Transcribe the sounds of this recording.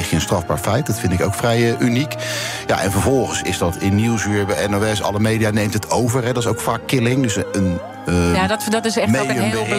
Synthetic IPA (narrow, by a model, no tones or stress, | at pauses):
χjəənstrɑvbaːɹfɛjt̚dɑtfɪntɪko̰wkfrɛjʔynikja̰ʔɛ̰nvəɹvɔlˠχənsɪ̰zdɑtʰɪnːuwsyːɹbəɛnowɛsɑ̰lˠəmejdijanejmtətʰowvəɹɦɛdɑtɪsowkfaːkːɪlɪŋdøsən | dtdɔtɪsɛmedəmɪ